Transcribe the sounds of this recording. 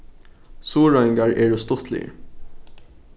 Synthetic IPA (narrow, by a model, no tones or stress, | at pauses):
suːɹɔɪŋɡɑɹʔeːɖuːst̪ʊt̪ʰlḭːɹ